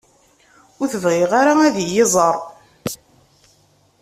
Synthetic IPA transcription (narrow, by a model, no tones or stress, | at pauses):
ʊɾθəvʁɪʁaɾaæðijɪzˤəɾˤ